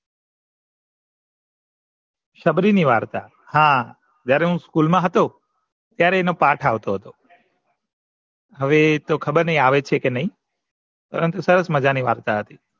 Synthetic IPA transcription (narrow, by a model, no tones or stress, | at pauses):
ʃəbɾiniʋaːɾt̪a | hã | d͡ʒjaɾeɦũskulmãɦət̪o | t̪jaɾeːnopaʈʰaʋt̪oɦət̪o | ɦəʋet̪okʰəbəɾnəɦĩaʋet͡ʃʰekenəɦĩ | pə̰ɾənt̪usəɾəsməd͡ʒaniʋa̰ːɾt̪aɦət̪i